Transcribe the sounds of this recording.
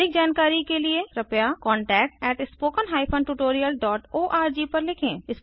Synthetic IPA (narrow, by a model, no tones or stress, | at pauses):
ɪk̚d͡ʒaːnkaːɾikelieɾɐpjakɔ̃ːɳʈɛːk̚ʈɛːʈɪspoːkənɦaːɪpʰə̃nɖʈuʈoːɾijəlɖɔːʈoːʔaːɾd͡ʒipɐɾlɪkʰḛ̃ːɪs